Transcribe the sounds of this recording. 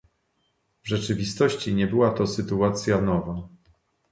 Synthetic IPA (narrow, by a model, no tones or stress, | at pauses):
vʐɛt͡ʂɘvʲist̪ɔɕt͡ɕiɲɛbɘwat̪ɔsɘt̪uat̪sʲjanɔva